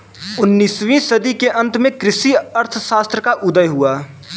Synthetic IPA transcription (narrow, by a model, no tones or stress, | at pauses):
ʊnːiːsʋĩsɐd̪ikeʔɐ̃nt̪mẽkɾɪsiɐɾt̪ʰʃaːst̪ɾəkaʔʊd̪əjɦuaː